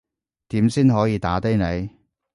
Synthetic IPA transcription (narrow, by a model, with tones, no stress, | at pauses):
t̪iː˨˥msiː˥nɦɔː˨˥jiː˨˧t̪aː˨˥t̪e˥jne˨˧j